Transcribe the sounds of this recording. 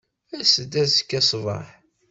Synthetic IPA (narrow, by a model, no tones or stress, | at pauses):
æsəd̪æðsə̥kːæsˤvɑ̰ħ